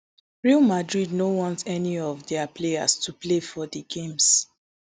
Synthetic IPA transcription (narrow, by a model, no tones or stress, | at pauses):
ɹialmadɹidnowɔ̃ntɛniɔvdɛaplea̰stuplefɔdəɡẽms